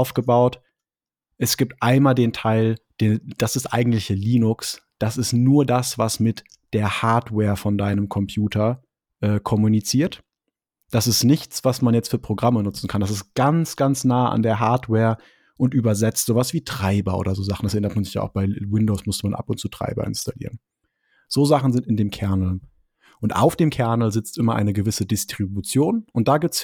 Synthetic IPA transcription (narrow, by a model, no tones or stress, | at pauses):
ʊfɡ̥əbaʊt | ʔɛsɡ̥iːp̚tʔaɪnmaːldeːntʰaɪld̥eːd̥asɪstʔa̰ɪɡŋ̩tlɪçəliːnʊksd̥asɪstnuːɐdasv̥asmɪt | d̥eːɐhaɐtwɛːɐfɔndaɪnəmkʰɔmpʰj̥uːtʰɐ | ʔɛːkʰɔmunit͡siːɐt | d̥asɪstnɪçt͡sv̥asmanjɛt͡stfyːɐpʁ̥oɡʁamənʊt͡sn̩kʰandas̬ɪst̚ɡ̥ant͡sɡ̥ant͡snaːəʔa̰ndeːɐɦaɐtwɛːɐ | ʔʊntʔyːbɐzɛt͡stz̥oːvasv̥iːtʁ̥aɪbɐʔo̰ːdɐzoːzaχn̩dasɛʔɛnɐtmanzɪçja̰ːaʊxb̥aɪwɪndoʊsmʊstəmanʔa̰pʊntt͡suːtʁ̥a̰ɪbɐ̰ʔɪ̰nstalḭːʁən | z̥oːzaχn̩zɪntɪndeːmkʰɛɐnl̩ | ʔʊntʔa̰ʊfd̥eːmkʰɛɐnl̩zɪt͡stʔɪmɐʔa̰ɪnəɡəvɪsədɪstʁ̥ibut͡sjoːnʔʊnt̚d̥aːɡɪːp̚t͡s